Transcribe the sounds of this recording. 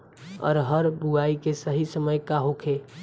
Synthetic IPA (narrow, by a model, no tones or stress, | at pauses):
ɔ̰ːɾɦəɾbuaikesəɦisəməjkaɦokʰe